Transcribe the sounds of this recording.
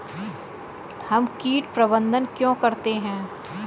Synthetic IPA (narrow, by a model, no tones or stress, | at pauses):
hɐmkiːʈpɾɐbə̃nd̪ənkjõːkɐɾt̪eɦɛ̃ː